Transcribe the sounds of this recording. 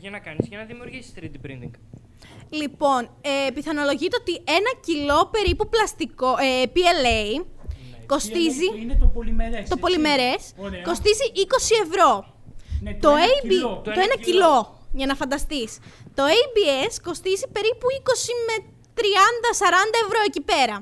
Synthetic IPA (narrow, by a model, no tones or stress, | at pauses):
ʝɐnɐkɐnizkɐnɐðimiuɾʝisi̥st̪ɾid̪bɾḭnd̪iŋɡ | lipo̞nepiθɐno̞lo̞ʝit̪eot̪ie̞nɐcilo̞pe̞ɾipuplɐst̪ikoepielei | ko̞st̪izi | t̪o̞po̞lime̞ɾe̞sko̞st̪iziʔiko̞sie̞vɾo̞ | t̪oeit̪oenɐcilo̞ | ʝɐnɐfɐnd̪ɐst̪ist̪o̞ejbiesko̞st̪izipe̞ɾipuiko̞sime | t̪ɾiɐnd̪ɐsɐɾɐnd̪ɐe̞vɾo̞e̞cipe̞ɾɐ